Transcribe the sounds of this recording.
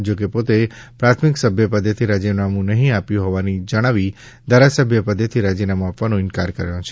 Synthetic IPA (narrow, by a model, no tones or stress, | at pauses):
d͡ʒokepot̪epɾat̪ʰmɪksəbʱjəpəd̪ət̪ʰiɾad͡ʒinamũnəɦĩapjũɦɔʋanid͡ʒəɽ̃aʋi | d̪ʱaɾasəbʱjəpəd̪ːet̪ʰiɾad͡ʒinamũapʋanõɪnkaɾkəɾjõt͡ʃʰe